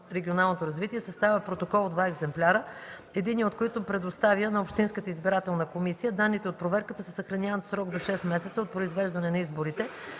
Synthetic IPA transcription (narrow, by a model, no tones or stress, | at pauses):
ɾɛɡʲionalˠnot̪oɾɐzvit̪iɛsɐst̪avʲəpɾot̪okɔlˠd̪vaɛɡzɛmplʲaɾə | ɛd̪iniot̪̚koit̪ʊpɾɛd̪ost̪avjənɐopʃt̪inskət̪əizbiɾat̪ɛlˠnəkomisijəd̪anːit̪ɛot̪̚pɾovɛɾkət̪əsəsɐxɾɐnʲavət̪sɾɔɡd̪oʃɛsmɛsɛt̪səot̪̚pɾoizvɛʒd̪ɐnɛnɐizboɾit̪ɛ